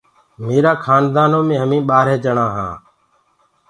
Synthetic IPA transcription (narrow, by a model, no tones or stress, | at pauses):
meːɾaːkʰaːnd̪aːnõːmẽːɦəmĩːɓaːɾɛːd͡ʒəɳãːɦã̰ː